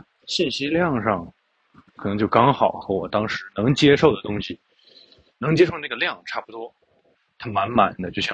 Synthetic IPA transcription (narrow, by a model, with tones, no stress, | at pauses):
ɕi˥˩nɕi˥ljɑ˥˧ŋʂɑ˥˩ŋ | kʰɤ˨˩nɤ˧˥ŋt͡ɕjo˥˩ʊkɑ˥ŋxɑ˨˩˦ʊxɤ˧˥wɔ˨˩t̪ɑ˥ŋʂɻ̩˧˥nɤ˧˥ŋt͡ɕjɛ˥ʂo˥˩ʊd̪ə˩t̪ʊ˥ŋɕi˨˩ | nɤ˧˥ŋt͡ɕjɛ˥ʂo˥˧na˥˩ɡə˩ljɑ˥˩ŋʈ͡ʂʰa˥˩pu˧˥t̪wɔ˥ | t̪ʰa˥ma˧˥nma̰˨˩nd̪ə˦t͡ɕjo˥˩ʊɕɑ̰˥˧˩